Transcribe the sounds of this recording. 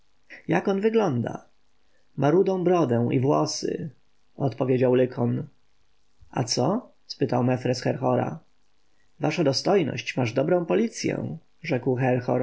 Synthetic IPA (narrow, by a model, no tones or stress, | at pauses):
jakɔnvɘɡlɔnd̪a̰ | maɾud̪ɔ̃w̃bɾɔd̪ɛw̃ʔḭvwɔsɘ̰ | ɔt̪pɔvʲjed͡ʑawlɘkʰɔn | a̰t̪sɔ | spɘt̪awmɛfɾɛsxɛɾxɔɾa̰ | vaʂad̪ɔst̪ɔjnɔ̰ɕt͡ɕmaʐd̪ɔbɾɔ̃w̃pɔlʲit̪sʲjɛ̰̃ | ʐɛkwxɛɾxɔ̰ɾ